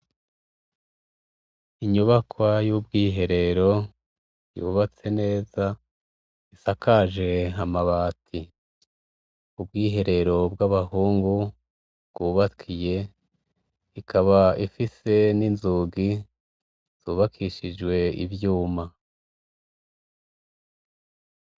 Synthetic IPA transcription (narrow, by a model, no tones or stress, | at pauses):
iɲuβakwajub̚ɡiːɦe̞ɾe̞ɾo̞ | jṵːβat͡se̞ne̞ːza | isakaʒe̞ɦamaβaːtʰi | ubɡiːɦe̞ɾe̞ɾo̞bɡaβahuːŋɡu | bɡ̥uːβakʰije̞ | ikʰaβaifise̞ninzuɡi | z̥uːβakʰiʃid͡ʒɡwe̞ḭvjuːma